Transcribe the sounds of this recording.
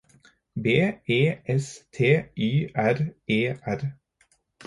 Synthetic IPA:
beːeːʔɛst̪ʰeːʔyːʔæɾeːʔæɾ

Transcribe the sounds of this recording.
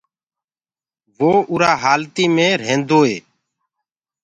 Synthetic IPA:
ʋoːʔʊːɾaːɦaːlt̪iːmẽːɾẽːnd̪oːeː

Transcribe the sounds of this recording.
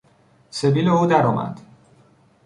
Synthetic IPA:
seviːleuːd̪æɾɒːmʔæ̰d̪̥

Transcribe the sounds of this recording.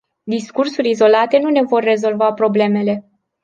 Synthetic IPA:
d̪iskursuɾʲizo̞lat̪e̞nune̞vo̞rːe̞zo̞lvapɾo̞ble̞me̞le̞

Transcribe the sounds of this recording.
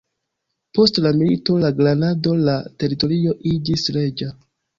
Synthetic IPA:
po̞stlamilito̞laɡlanado̞late̞ɾito̞ɾio̞ʔid͡ʒisɾe̞d͡ʒa

